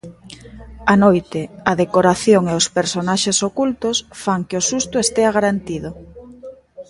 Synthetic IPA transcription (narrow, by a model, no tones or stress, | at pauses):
anojt̪ɪɐðekoɾaθjoŋeospeɾsonaʃesokult̪osfaŋkeosust̪ʊest̪eaɣaɾant̪iðʊ